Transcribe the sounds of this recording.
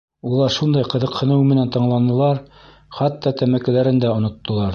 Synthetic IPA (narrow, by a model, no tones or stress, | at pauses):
ulˠɑɾʃund̪ɑjqɤ̆ðɤ̆qhɤ̆nɤwmɘ̆nænt̪ɤ̆ɴlˠɑnɤ̆lˠɑɾ | χɑt̪ːɑt̪æmækɘ̆læɾɘ̆nd̪æŏnŏt̪ːŏlˠɑɾ